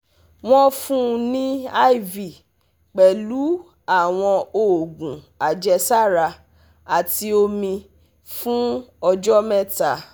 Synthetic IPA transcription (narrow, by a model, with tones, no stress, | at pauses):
w̃ɔ̃˦fũ˦˧nĩ˦a˦i˦˨vi˨ | k͡pɛ˨lu˨˦ | a˦˨w̃ɔ̃˧o˨ɡũ˨ | a˨d͡ʒɛ˧sa˦˨ɾa˧ | a˨ti˧o˧mĩ˧ | fũ˦ɔ˧d͡ʒɔ˦mɛ˦˨ta˨